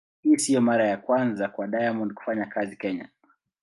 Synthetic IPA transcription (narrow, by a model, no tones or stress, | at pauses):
hiːsijɔmaɾajakwanzakwaɗajamɔndku̥faɲakazikɛɲa̰